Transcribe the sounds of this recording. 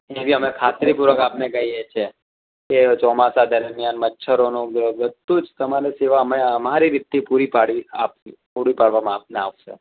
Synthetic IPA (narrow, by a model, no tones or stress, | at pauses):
eʋiəmekʰat̪ɾipuɾəkapnekəɦiet͡ʃʰe | ket͡ʃɔmasad̪əɾmjanmətːʃʰəɾonũɡɾəʋəd̪ũd͡ʒt̪əmaɾeseʋaəmeəmaɾiɾit̪ːipuɾipaɽia̰ppuɾipaɽʋamãap̚nea̰ʋʃḛ